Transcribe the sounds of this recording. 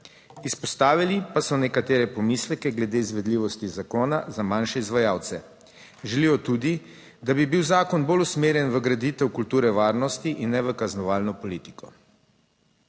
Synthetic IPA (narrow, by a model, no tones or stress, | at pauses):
ispɔst̪aːʋilipasɔnɛkat̪eːɾɛpɔmislɛkɛɡlɛd̪eːizʋɛd̪liʋɔst̪izakoːnazamanʃɛizʋajaːwt̪sɛ | ʒɛlijɔt̪uːd̪i | d̪abibiwzaːkɔnbolusmeːɾjɛnʋəɡɾad̪it̪ɛwkult̪uːɾɛʋaːɾnɔst̪iʔinːɛʋəkaznɔʋaːlnɔpɔliːt̪i̥kɔ